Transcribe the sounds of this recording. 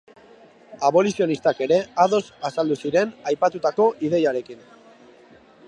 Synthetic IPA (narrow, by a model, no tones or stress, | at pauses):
aβo̞lisio̞nist̪ake̞ɾe̞aðo̞sasald̪usiɾe̞najpat̪ut̪ako̞ʔið̞e̞jaɾe̞kin